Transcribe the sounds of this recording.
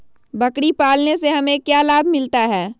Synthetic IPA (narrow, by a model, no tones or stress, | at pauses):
bɐkɽipaːlneseɦɐmẽkjaːlaːbʱmɪlt̪aɦɛː